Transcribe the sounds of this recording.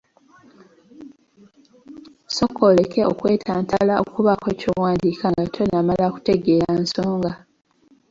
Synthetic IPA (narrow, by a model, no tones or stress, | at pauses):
so̞kʰːole̞ke̞o̞̰kwe̞ːtʰaːntalao̰kuβakwecowaːndikʰaŋɡatʰo̞namalaku̥te̞ɡe̞ːɾanso̞ːŋɡa